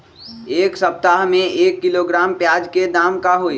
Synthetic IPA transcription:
eːksɐp̚t̪aɦmẽeːkːɪloɡɾaːmpjaːd͡ʒked̪aːmkaɦoːiː

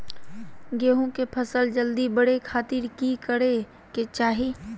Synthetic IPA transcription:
ɡeːɦõkepʰəsəld͡ʒəld̪ibəɽekʰaːt̪ɪɾkikəɽe | ket͡ʃaːɦi

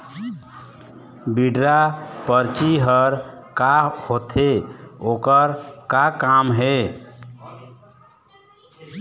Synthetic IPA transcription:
biɖɾapəɾt͡ʃiɦəɾkahot̪ʰeokəɾkakamɦe

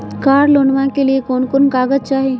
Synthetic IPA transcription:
kaːɾloːnʋãkeliekoːnkoːnkaːɡəzt͡ʃaːɦeː

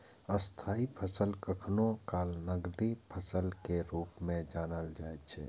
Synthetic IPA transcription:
əst̪ʰaːipʰəsəlkəkʰnokaːlnəɡd̪ipʰəsəlkeɾuːpmẽd͡ʒaːnəld͡ʒaːet͡ʃʰɛ̰ː

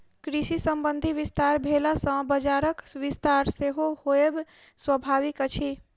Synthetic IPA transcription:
kɾisisəmbənd̪ʱiʋist̪aɾbʱelasə̃bəd͡ʒaɾəkʋist̪aɾseɦohoeb | swəbʱaʋikət͡ʃʰi

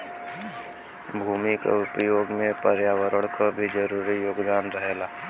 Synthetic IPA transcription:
bʱuːmika̰ʊpjoːɡmẽpəɾjaːwəɾəɽ̃kabʱid͡ʒəɾuːɾijoːɡd̪aːnɾəɦeːlaː

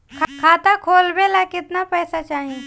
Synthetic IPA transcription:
kʰkʰaːt̪akʰoːlbelakɪt̪napɛːsat͡ʃaːɦi

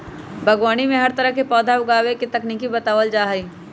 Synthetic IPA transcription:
bʱɐɡwaːñimẽɦɐɾt̪ɐɾəɦkepɔːd̪ʱaʊɡaːweket̪ɐkniːkibɐt̪aːʋəld͡ʒaːɦiː

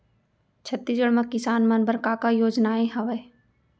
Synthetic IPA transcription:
t͡ʃʰɐt̪ːid͡ʒəɽməkːɪsaːnmɐnbəɾkaːkajoːd͡ʒnaːẽɦɐʋəe

